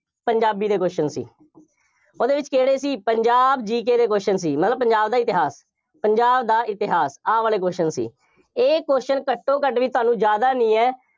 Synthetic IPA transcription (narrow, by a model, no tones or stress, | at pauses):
pəɲd͡ʒaːbiːd̪eːkoːʃənsḭː | oːd̪eːʋɪt͡ʃkeːɽeːsiːpəɲd͡ʒaːbd͡ʒiːkeːd̪eːk̬oːʃəns̬iːmət̪ləbpəɲd͡ʒaːbd̪aːɪt̪ɪɦaːs | pəɲd͡ʒaːbd̪aːʔɪt̪ɪɦaːsaːʋaːleːk̬oːʃənsḭː | eːkoːʃənkəʈːõːkəʈʋiːt̪ʊaːnũːd͡ʒjaːd̪aːnĩːɛː